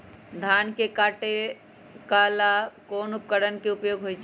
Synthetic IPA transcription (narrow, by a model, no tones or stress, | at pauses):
d̪ʱankekaʈe | kalakonup̚kəɽənkeupjoɡɦojt͡ʃ